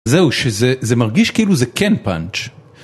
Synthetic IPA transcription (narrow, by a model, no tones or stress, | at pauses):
zɛwʃɛzɛzɛmaʁɡiʃkeluzɛkʰɛnpa̰nt͡ʃ